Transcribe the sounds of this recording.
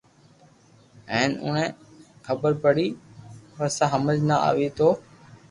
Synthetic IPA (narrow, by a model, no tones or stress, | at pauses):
ɛ̃ːnʊ̰nẽːxəbəɾpəɽiːʋəsãːɦəməd͡ʒnaa̰ːʋiːt̪oː